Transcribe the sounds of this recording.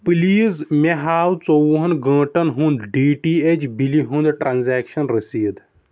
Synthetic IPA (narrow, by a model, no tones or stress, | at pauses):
piliːzmeɦaːwt͡sowɦɐnɡɐ̃ːʈɐnɦũnd̪ɖiːʈiːet͡ʃbiliɦũnd̪ʈɾanzeːkʃɐnɾisiːd̪